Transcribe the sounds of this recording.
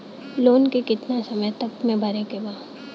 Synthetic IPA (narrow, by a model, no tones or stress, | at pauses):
loːnkekɪt̪nasɐməjt̪ɐkmẽbʱɐɾekebaː